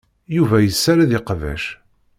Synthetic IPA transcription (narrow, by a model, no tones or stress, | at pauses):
juvæjəsːaɾaðɪqvæ̰ʃ